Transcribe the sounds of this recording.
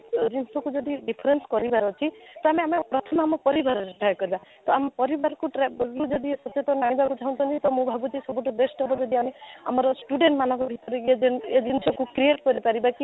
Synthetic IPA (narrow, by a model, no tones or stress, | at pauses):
d͡ʒinsɔkud͡ʒɔd̪iɖipʰɾenskɔɾibaɾɔt͡ʃʰit̪ɔameamepɾɔt̪ʰɔmamɔpɔɾibaɾɔɾipajkɔɾibat̪ɔamɔpɔɾibaɾɔkuʈɾaɾud͡ʒɔd̪isɔt̪et̪ɔnaɽ̃ĩbakut͡ʃʰaũt̪ʰɔnt̪it̪ɔmũbʱabut̪isɔbuʈɔbesʈɔbɔd͡ʒɔd̪ʱiamea̰mɔɾɔsʈuɖeɳʈmanɔkɔbʱit̪ɔɾeed͡ʒened͡ʒinsɔkukɾieʈkɔɾipaɾibaki